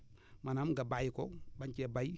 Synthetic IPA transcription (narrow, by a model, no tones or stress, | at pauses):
manamɡabajkobaɲt͡ʃebai